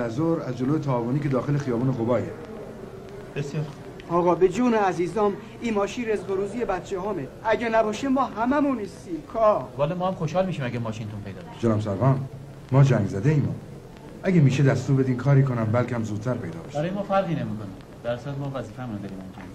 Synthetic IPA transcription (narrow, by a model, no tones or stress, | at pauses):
læzoɾæzd͡ʒoloːjet̪ʰæːvoniːcʰe̞d̪ɒːxe̞lexijɒːbuːneɣobɒːje | b̥esjeɾx | ɒːɣɒːbed͡ʒoːneæziːzɒːm | iːnmɒːʃiːnɾezɣoɾuːzijebæt̪t͡ʃʰehɒːme | æɟænæbɒːʃemɒːɦæmæmunːiːst̪iːmkʰɒːvɒːlemɔːhæmxoʃɒːlmiːʃiːmæɡæmɒːʃint̪unpʰejd̪ɒːbeʃd͡ʒelɒːmsæɾɣɒːn | mɒːd͡ʒæŋɡzæd̪eiːmṵː | ʔæɡemiːʃed̪æst̪uːɾbe̞d̪iːmkʰɒːɾiːkʰonæmbælkʰʲæmzuːd̪̥̚t̪æɾpʰe̞jd̪ɒ̰ːbe̥̰ʃbæɾɔːjemɒːfæɾɣiːnemiːkoni | b̥æɾsuɾæt̪mɔːvæziːfæmunad̪eɾiːmæmk̪ʰoni